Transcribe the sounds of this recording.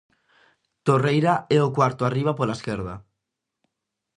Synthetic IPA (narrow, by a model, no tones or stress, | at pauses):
t̪orejɾaɛokwaɾt̪oariβ̞apolaskeɾð̞a